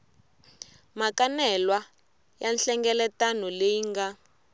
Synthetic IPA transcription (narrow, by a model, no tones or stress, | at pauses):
makanɛlwa | janɬɛŋɡɛlɛtanɔleŋɡa